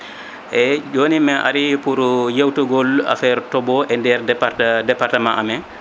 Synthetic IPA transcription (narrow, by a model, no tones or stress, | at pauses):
ʔɛd͡ʒonimɛʔa̰ɾipuɾjewtuɡɔla̰fɛɾtɔbɔʔɛndɛɾadɛpaɾtamãnʔamɛ